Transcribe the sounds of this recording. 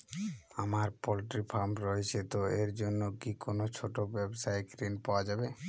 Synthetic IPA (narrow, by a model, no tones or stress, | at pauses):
amaɾpolʈɾipʰaɾmɾoɦet͡ɕʰet̪oeɾd͡ʑonːokikonot͡ɕʰoʈobɛbsaekɾinpaoad͡ʑabe